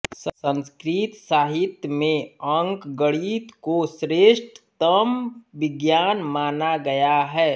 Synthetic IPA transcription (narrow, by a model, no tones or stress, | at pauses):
ssə̃nskɾiːt̪saːɦɪt̪jmẽɐ̃ŋkɡəɽiːt̪kosɾeːʃʈt̪əmʋɪɡjaːnmaːnaɡɐjaɦɛː